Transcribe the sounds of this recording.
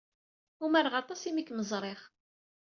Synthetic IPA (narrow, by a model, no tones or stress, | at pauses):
umæɾʁɑt̪ˤɑsimikːməzˤɾˤeχ